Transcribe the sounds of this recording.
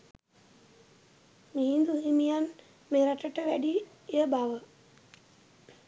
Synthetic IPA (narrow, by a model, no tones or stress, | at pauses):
miɦind̪uimijan | meːɾaʈəʈəʋæɖi | jəbaʋə